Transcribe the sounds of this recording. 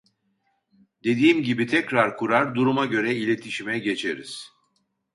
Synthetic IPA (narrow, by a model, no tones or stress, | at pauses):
d̪e̞d̪iːmɟibit̪ʰɛcɾaɾkʰuɾaɾd̪uɾumaɟø̞ɾɛilʲe̞t̪ʰiʃimɛɟe̞t͡ʃʰe̞ɾḭz̥